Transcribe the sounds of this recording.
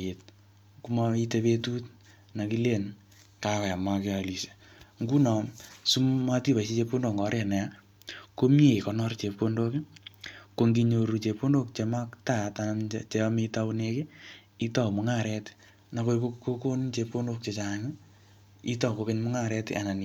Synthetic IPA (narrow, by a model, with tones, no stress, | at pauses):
e˨t̚ | ku˦ma˧i˦te˦pe˦tu˦t | na˨ki˦le˦˨n | kawɛ˨a˨makɪ˦a˨li˨se̥˨ | ŋɡu˦nɔ˨msu˦mma˦ti˦pa˨se˦t͡ʃe˧po˦ndo˨ŋɡɔ˨˦ɾe˦˨nɛ˨a | ko˦mje˦˨i˨kɔ˨nɔ˦rt͡ʃe˨po˦ndo˦kɪ˦ko˨ŋɡi˦ɲo˧ɾu˨t͡ʃe˧po˦ndo˦k̚t͡ʃe˨ma˦kta˦˨tanamt͡ʃe˦ɔme˦ta˦unekɪ˦ | i˦tɔ˦˨mʊŋa˦ɾɛ˦t | na˨ko˦koko˦ko˦nt͡ʃe˧po˦ndo˦k̚t͡ʃet͡ʃaŋɪ | i˦tɔ˨ko˨ke˦ɲmʊ˦ŋa˦ɾɛ˦ta˨na˨n